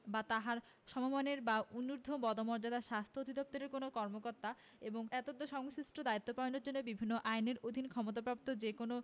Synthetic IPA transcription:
bat̪aɦaɾ | ʃɔmomaneɾbaunuɾd̪ʱobɔd̪omɔɾd͡ʑad̪aʃast̪ʰood̪ʱid̪op̚t̪oɾeɾkonokɔɾmokoɾt̪ːa | eboŋɛt̪od̪ːoʃɔŋsɾisʈʰod̪ait̪ːopaonoɾd͡ʑonːobibʱinːoʔajneɾod̪ʱinkʰɔmot̪̬apɾap̚t̪od͡ʑekono

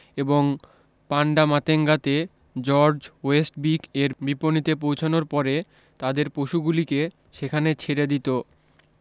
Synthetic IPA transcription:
eboŋ | paɳɖamat̪eŋɡat̪e | d͡ʑɔɾd͡ʑwesʈbikeɾbiponit̪ep̬owt͡ɕʰonoɾpɔɾe | t̪ad̪eɾpɾoʃuɡulike | ʃekʰanet͡ɕʰeɾed̪it̪o

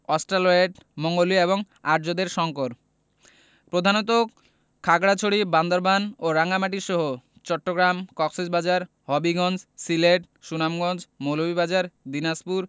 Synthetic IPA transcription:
ɔsʈɾaloeʈmɔŋɡolieβoŋ | aɾd͡ʑod̪eɾʃɔŋkoɾ | pɾod̪ʱanot̪̬o | kʰaɡɽat͡ɕʰoɽiband̪oɾbanoɾaŋamaʈ̬iʃɔɦo | t͡ɕɔʈːoɡɾamkɔksid͡ʑbad͡ʑaɾ | ɦɔbiɡɔnd͡ʑsileʈ | ʃunamɡɔnd͡ʑmolobibad͡ʑaɾd̪inaspuɾ

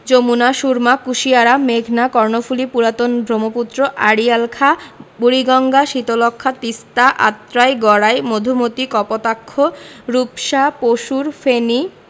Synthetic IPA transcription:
d͡ʑomunaʃuɾmakuʃiaɾameɡʱnakɔɾnofʰulipuɾat̪onb̪ʱɾomoput̪ːɾoʔaɽialkʰabuɾiɡɔŋɡaʃit̪olɔkʰːat̪ist̪aʔa̰t̪ːɾajɡɔɽaejmod̪ʱumot̪ikɔpot̪akʰːoɾupʃapoʃuɾfeni

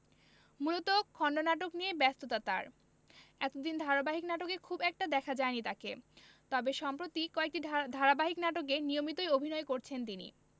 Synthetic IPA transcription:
mulot̪okʰɔɳɖonaʈokniebɛst̪ot̪at̪a̰ɾ | ɛt̪od̪ind̪ʱaɾabaɦiknaʈokekʰubɛk̚ʈad̪ɛkʰad͡ʑaenit̪ake | t̪ɔbeʃɔmpɾot̪ikɔek̚ʈid̪ʱaɾabaɦiknaʈok̬enijomit̪oeobʱinɔekoɾt͡ɕʰent̪̬inḭ

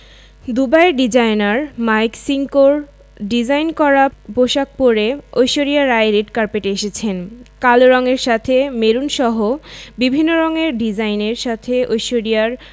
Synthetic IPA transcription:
d̪ubaeɾɖid͡ʑajnaɾmajksiŋkoɾ | ɖid͡ʑajnkɔɾaboʃak̚poɾeojʃoɾijaɾaeɾeʈkaɾpeʈeeʃet͡ɕʰenkaloɾɔŋeɾʃat̪ʰemeɾunʃɔɦobibʱinːoɾɔŋeɾɖid͡ʑajneɾʃat̪ʰeojʃoɾiaɾ

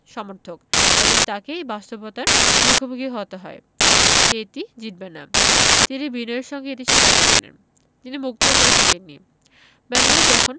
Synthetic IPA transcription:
ʃɔmoɾt̪ʰokebont̪akeebast̪obot̪aɾmukʰobʱoɡiɦot̪eɦɔ̰e | ʃeetid͡ʑit̪̚benːa̰t̪inibinɔeɾʃɔŋɡeetiʃikakat͡ɕʰenḛn | t̪inimuk̚t̪okoɾet̪ʰekenːḭ | bɛneled͡ʑɔkʰon

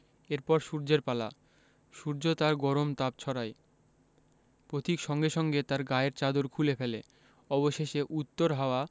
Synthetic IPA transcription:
eɾpɔɾʃuɾd͡ʑeɾpala̰ | ʃuɾd͡ʑot̪aɾɡɔɾomt̪ab̚t͡ɕʰɔɾaj | pɾot̪ikʃɔŋɡeʃɔŋɡet̪aɾɡaeɾt͡ɕad̪oɾkʰulefele | ɔboʃeʃeʔut̪ːoɾɦaoa

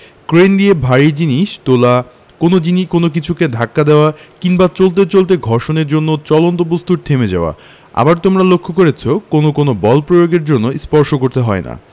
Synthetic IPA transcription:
kɾend̪iebʱaɾid͡ʑiniʃt̪ola | konod͡ʑinikonok̬it͡ɕʰuked̪ʱakːad̪eoakiŋbat͡ɕolt̪et͡ɕolt̪̬eɡʱɔɾʃoneɾd͡ʑonːot͡ɕɔlont̪obust̪ʰuɾt̪ʰemed͡ʑaoa̰ | a̰baɾt̪omɾalokʰːokoɾet͡ɕʰokonokonobɔlpɾojoɡeɾd͡ʑonːospɔɾʃokoɾt̪eɦɔena̰

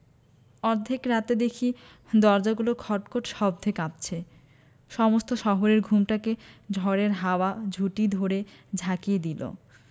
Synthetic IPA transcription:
ɔɾd̪ʱekɾat̪ed̪ekʰi | d̪ɔɾd͡ʑaɡulokʰɔʈkoʈʃɔb̚d̪ʱekap̚t͡ɕʰe | ʃɔmost̪oʃɔɦoɾeɾɡʱumʈaked͡ʑʱɔɾeɾɦaoad͡ʑʱuʈid̪ʱoɾed͡ʑʱakijed̪ilo̰

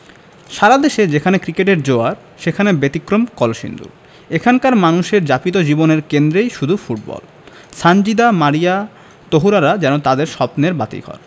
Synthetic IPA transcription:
ʃaɾad̪eʃed͡ʑekʰanekɾikeʈ̬eɾd͡ʑoaɾ | ʃekʰanebet̪ikɾomkɔloʃḭnd̪ṵɾ | ekʰankaɾmanuʃeɾd͡ʑapit̪̬od͡ʑiboneɾkend̪ɾejʃud̪ʱufuʈ̚bɔ̰l | sand͡ʑid̪amaɾia | t̪oɦuɾaɾad͡ʑɛnot̪ad̪eɾʃɔpneɾbat̪ḭkʰɔ̰ɾ

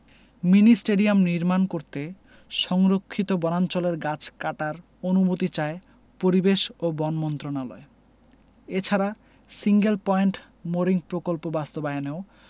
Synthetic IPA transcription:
minisʈeɖiamniɾmankoɾt̪e | ʃɔŋɾokʰːit̪obɔnant͡ɕoleɾɡat͡ɕʰkaʈaɾ | onubot̪it͡ɕae | poɾibeʃobɔnmɔnt̪ɾonalɔ̰e | et͡ɕʰaɾa | siŋɡelpɔjeɳʈ | moɾiŋpɾokolpobast̪obaeaneo

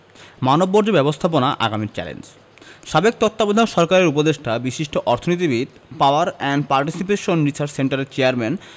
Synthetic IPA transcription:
manobːoɾd͡ʑobɛbost̪ʰap̬onaʔa̰ɡamiɾt͡ɕɛ̰lḛnd͡ʑ | ʃabek̚t̪ot̪ːabod̪ʱaʃɔɾkaɾeɾupod̪eʃʈabiʃiʃʈoʔɔɾt̪ʰonit̪ibit̪̚ | paoaɾɛɳɖpaɾʈisipeʃonɾisaɾt͡ɕseɳʈaɾeɾt͡ɕeaɾmɛn

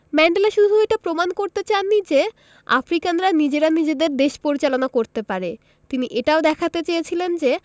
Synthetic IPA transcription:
mɛɳɖelaʃud̪ʱueʈapɾomankoɾt̪et͡ɕanːid͡ʑe | a̰fɾikanɾanid͡ʑeɾanid͡ʑed̪eɾd̪eʃpoɾit͡ɕalonakoɾt̪epaɾe | t̪iniʔeʈaod̪ɛkʰat̪et͡ɕejet͡ɕʰilend͡ʑe

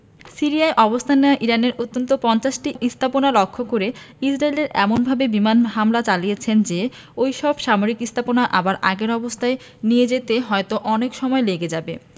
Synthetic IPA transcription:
siɾiajʔɔbost̪ʰanːeaʔiɾaneɾʔot̪ːont̪opɔnt͡ɕaʃʈiʔist̪ʰaponalɔkʰːokoɾe | id͡ʑɾaeleɾʔɛ̰monbʱabebimanɦamlat͡ɕalijet͡ɕʰend͡ʑe | ojʃɔbʃamoɾikist̪ʰaponaʔabaɾʔaɡeɾɔbost̪ʰae | nijed͡ʑet̪eɦɔet̪oʔɔnekʃɔmɔeleɡed͡ʑabe

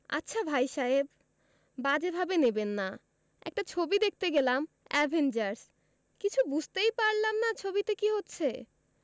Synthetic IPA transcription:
a̰tːɕʰabʱajʃaeb̚ | bad͡ʑebʱabenebenːa | ɛ̰k̚ʈat͡ɕʰobid̪ek̚ʰt̪eɡelam | ɛbʱend͡ʑaɾs | kit͡ɕʰubud͡ʑʱt̪ejpaɾlamnat͡ɕʰobit̪ekiɦotːɕʰe

